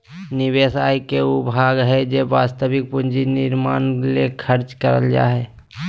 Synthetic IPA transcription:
nɪweːsaːikeʊbʱaːɡɦɛd͡ʒeʋaːst̪əbɪk̚pʊnd͡ʒinɪɾmaːnlekʰəɾt͡ʃkəɾə̰ld͡ʒa̰ːɦɛː

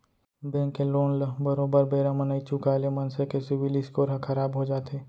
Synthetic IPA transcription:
bẽːŋkeloːnlbəɾoːbəɾbeːɾamɐnəit͡ʃukaːlemɐnsekesɪʋɪlɪskoːɾɦakʰɐɾaːbɦod͡ʒaːt̪eː

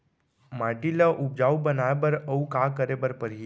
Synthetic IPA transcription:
maʈiləʔub̚d͡ʒawbənajbəɾəukakəɾebəɾpəɾi

